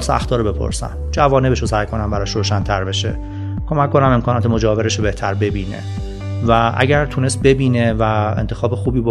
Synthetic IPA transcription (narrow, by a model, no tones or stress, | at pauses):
lseæ̰xt̪ɒːɾobe̞pʰo̰ɾsæ̰md͡ʒævɒːnebeʃosæjkʰo̞næmbæɾɒːʃɾoːʃænt̪ʰæɾbe̞ʃe̞̰ | kʰo̞mækʰːo̞næme̞mkʰɒːnɒːt̪ʰemo̞d͡ʒɒːveɾeʃobe̞ht̪ʰæɾbe̞biːnḛ | væʔæ̰ɟæɾt̪ʰune̞st̪̚be̞biːnevæḛnt̪ʰexɒːbexuːbiːbo